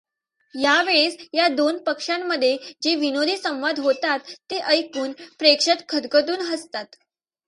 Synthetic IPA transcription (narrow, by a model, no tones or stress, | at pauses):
jaʋeɭesjad̪onpəkʂamːəd̪ʱːjed͡ʑeʋinod̪ʱiːsə̃w̃ʋad̪ʱɦot̪at̪ːeʔəjkuːnpɾekʂət̪kʰəd̪kəd̪uːnɦəst̪at̪